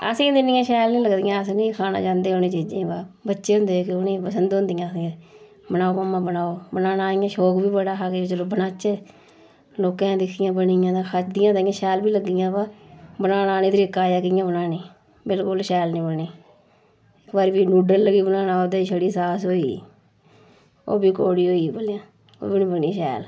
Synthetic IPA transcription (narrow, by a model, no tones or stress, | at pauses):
ə̰sĩːd̪ɪnĩjãːʃɛːlnĩːləɡd̪ijãːəsnĩːkʰaːna̰ːt͡ʃãːnd̪eːonĩːt͡ʃiːd͡ʒẽːbaːbətːʃeːɦʊ̃nd̪eːkeʊnĩːpəsənd̪ɦõnd̪ijãːəsĩːe | bənaːoːmaːmːãːbənaːoːbənaːnaːɪjãːʃoːkbiːbəɽaːaːket͡ʃəloːbənaːt͡ʃeː | loːkãːd̪ɪkʰːɪjãːbənɪjãːt̪ãːkʰat͡ʃd̪ɪjãːt̪ːɪjãːʃɛːlbiːləɡːɪjãːpaːbənaːnaːniːt̪ɾiːkaːjaːkɪjãːbənaːnĩː | bɪlkʊlʃɛːlnĩːbəniː | ɪkbaːɾbiːnuːɖəlːəɡiːbənaːnaːoːd̪eːʃəɽiːsaːsɦoːḭː | o̰ːbiːkoːɽiːɦoːibolːãː | o̰ːbinĩːbəniːʃɛ̰ːl